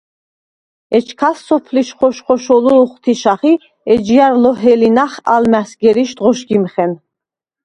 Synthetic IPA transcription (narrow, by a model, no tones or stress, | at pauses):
ɛt͡ʃʰkʰasːɔpʰliʃχɔʃχɔʃɔluχt̪ʰiʃaχi | ɛd͡ʒijaɾlɔɦɛlinaχa̰lmæsɡɛɾiʃd̪ʁɔʃɡimχɛn